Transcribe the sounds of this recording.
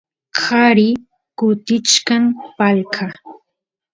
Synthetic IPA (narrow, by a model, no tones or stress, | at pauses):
haɾɪ | kʊt̪ɪt͡ʃkampalkʰa